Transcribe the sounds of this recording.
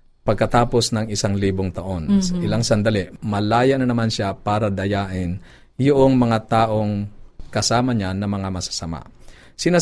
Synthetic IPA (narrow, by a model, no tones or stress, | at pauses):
pɐɡ̚kɐt̪aːpo̞snɐŋɪsaŋliːboŋt̪ɐʔo̞nsɐʔɪlaŋsɐnd̪ɐlɛmɐlaːjɐnɐnɐmanʃapaːɾɐd̪ɐjaːʔɪn | jʊʔoŋmɐŋat̪aːʔo̞ŋkɐsaːmɐɲanɐmɐŋamɐsḁsɐma̰ | sɪna